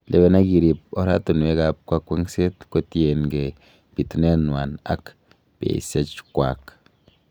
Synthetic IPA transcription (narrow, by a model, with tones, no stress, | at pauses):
lʔe˨be˧na˦ɡi˧ɾi˧˨p̚o̰˦ɾa˦t̪u˨n˨e˦˧ɡa˧p̚kʷa˦kʷe˦ŋse˦t̪kʷe˦t̪je˨nɡe˨ | b̥i˨t̪ne˦nwa˨na̰˦k | b̥ḛ˨se˦t͡ʃkʷa˨k